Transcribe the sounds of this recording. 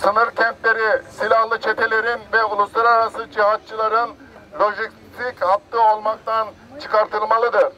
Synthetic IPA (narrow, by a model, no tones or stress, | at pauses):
sɯnɯɾcʰɛnt̪lʲe̞ɾisilʲahlˠɯt͡ʃʰet̪ʰe̞lʲe̞ɾinvɛulˠuslˠaɾaɾasɯd͡ʒiɦat̪̚t͡ʃʰɯlˠaɾɯn | lʲo̞ʒik | t̪ʰikhap̚t̪ːɯolˠmak̚t̪ʰan | t͡ʃʰɯkaɾt̪ʰɯlˠmalˠɯd̪ɯɾ̥